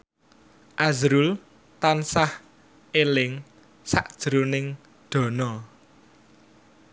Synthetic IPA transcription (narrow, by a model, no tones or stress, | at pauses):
ʔazɾul | t̪ansah | ʔelɪŋ | sa̰ʔd̥ʒ̥ɾunɪŋ | ɖ̪̥ɔ̤nɔ